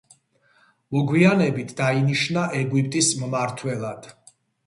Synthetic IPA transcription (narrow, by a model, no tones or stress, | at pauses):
mɔɡwianɛbit̪ʰd̪ainiʃnaʔɛɡwip̚ʰʼt̪ʼismmaɾt̪ʰwɛlˠad̪̥